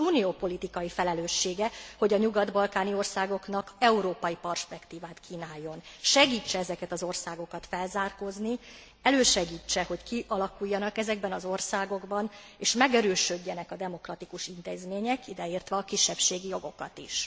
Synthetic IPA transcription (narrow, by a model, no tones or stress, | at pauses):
uːnijoːpo̞lit̪ikɒjifɛlɛløːʃːeːɡɛho̞ɟɒɲuɡɒd̪bɒlkaːnio̞rsaːɡo̞knɒkɛuɾoːpɒjipɛrʃpɛkt̪iːvaːt̪kʰiːnaːjːo̞nʃɛɡiːt͡ʃːɛɛzɛkɛt̪ɒzo̞rsaːɡo̞kɒt̪fɛlzaːrko̞zni | ɛløːʃɛɡiːt͡ʃːɛho̞ckiʔɒlɒkujːɒnɒkɛzɛɡ̚bɛnɒzo̞rsaːɡo̞ɡbɒneːʃmɛɡɛɾøːʃøɟːɛnɛkɒd̪ɛmo̞krɒt̪ikuʃint̪eːzmeːɲɛkid̪ɛiːrt̪ʋɛɒkiʃːɛpʃeːɡijo̞ɡo̞kɒt̪ḭʃ